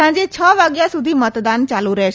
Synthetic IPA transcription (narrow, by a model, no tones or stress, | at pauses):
ãːd͡ʒet͡ɕʰəːʋaːɡjasud̪ʱiːmət̪d̪aːnt͡ʃaːluɾəe